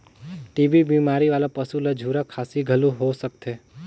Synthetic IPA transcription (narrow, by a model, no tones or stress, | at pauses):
ʈiʋibimaɾiʋalapəsulad͡ʒʱuɾakʰasiɡʱəlũɦosək̚t̪ʰe